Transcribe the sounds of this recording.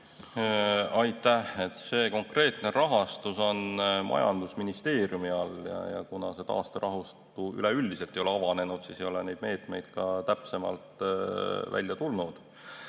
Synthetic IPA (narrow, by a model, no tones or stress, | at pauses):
ɑjt̪ːˑæhet̪ːse̞ːko̞ŋkre̞ːt̪ne̞ɾɑɦɑst̪uso̞nmʔɑ̰jɑ̰nd̪̥usminist̪e̞ːrijumiɑljɑ̰jɑ̰kunɑse̞t̪ɑ̰ːst̪eɾʔɑɦust̪uy̰leylʲd̪ise̞lt̪ːˑejoleɑvɑne̞nud̪̥siːsejo̞le̞ne̞jd̪̚me̞ːt̪ˑme̞jd̪̥kɑt̪æpse̞mɑ̰lt̪ | væ̰lʲːjɑt̪ulnud̪̥